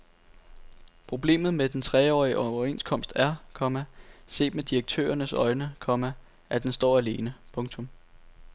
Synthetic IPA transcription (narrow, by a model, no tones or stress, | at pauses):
pʰʁo̝b̥le̝̰ːmð̩ˠmed̥ent͡sʰʁɛːɒ̰ːiʔɒʊɐe̝nskʰɒ̽m̰sd̥æɐkʰɒ̽mæse̝̰ːd̥med̥iɐɡ̥̚t͡sʰø̰ːɐnəsɒ̽ɪnəkʰɒ̽mæ | ʔæd̥ensd̥ɒ̰ːæle̝ːnəpʰɔ̽ŋt͡sʰɔ̽m